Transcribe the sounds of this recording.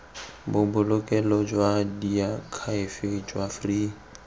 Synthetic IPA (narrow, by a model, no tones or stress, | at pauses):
bʊbʊlʊkʼɛlɔd͡ʒwadiakʰaɪfɪd͡ʒwafriː